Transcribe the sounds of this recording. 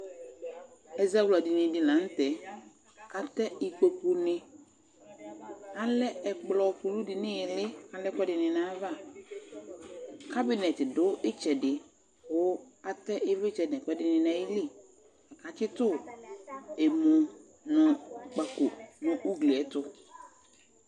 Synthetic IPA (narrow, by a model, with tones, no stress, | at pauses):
ɛ˨za˦wula˨dɪ˨nɪ̃˨dɪ˨lã˨˦n̩˦tɛ˨ | ka˨tɛ˦ɪ˨ko˨ku˦nɪ̃˦ | a˦lɛ˦ɛ˨k͡plɔ˨ɸu˨lu˦dɪ˨nɪ̃˦ɪ˨lɪ˦a˨lɛ˦kɛ˦dɪ˨nɪ̃˨nã˦va˦˨ | kʰa˦bi˦nɛ˨tɪ˨dʊ˦ʔɪ˦t͡ʃɛ˨dɪ˨ | ʊ˨˦a˦tɛ˦ʔɪ˦vɪ˦t͡ʃɛ˨dɛ̃˨kʷɛ˦dɪ˨nɪ̃˨nã˨˦ɪ˦li˦˨ | a˨ka˨˦t͡ʃɪ˦tʊ˦ | e˨mo˨ | nɔ̃˨k͡pa˨ko˨nʊ̃˨ʔu˦ɡli˨ɛ˦tʊ˦